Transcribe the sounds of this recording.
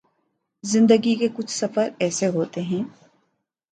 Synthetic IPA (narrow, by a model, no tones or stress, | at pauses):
zɪ̃nd̪əɡikekʊt͡ʃʰsɐfəɾɛːseɦoːt̪eɦɛ̃ː